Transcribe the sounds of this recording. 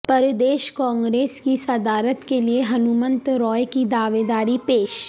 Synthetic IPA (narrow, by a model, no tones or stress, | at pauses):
pəɾd̪eːʃkãːŋɡɾeːskisɐd̪aːɾət̪kelieɦɐnumə̃nt̪ɾɔːjkid̪aːʋeːd̪aːɾipeːʃ